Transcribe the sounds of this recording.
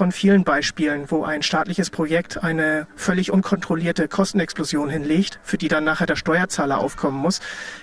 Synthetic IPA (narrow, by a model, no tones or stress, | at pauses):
fɔnfiːlənbaɪʃpiːlənvoːʔaɪnʃtaːtlɪçəspʁ̥ojɛk̚tʰʔaɪnəfœlɪçʔʊnkʰɔntʁ̥oliːɐtəkʰɔstn̩ɛksplozjoːnɦɪnleːçtfyːɐdiːdanːaːχeːɐdeːɐʃtɔʏɐt͡saːlɐʔa̰ʊfkʰɔmənmʊs